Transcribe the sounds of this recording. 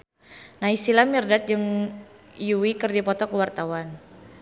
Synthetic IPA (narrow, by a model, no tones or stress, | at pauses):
naisilamirdat̪̚d͡ʒɨŋ | juwikɨrdipɔt̪ɔkəwart̪awan